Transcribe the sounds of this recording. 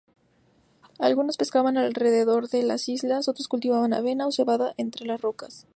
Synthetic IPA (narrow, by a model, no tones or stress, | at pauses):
alɣuno̞spe̞skaβanalre̞ðe̞ðo̞ɾðe̞la̰sizlaso̞t̪ɾo̞skult̪iβaβana̰βe̞naose̞βaðaʔe̞nt̪ɾe̞lasro̞kas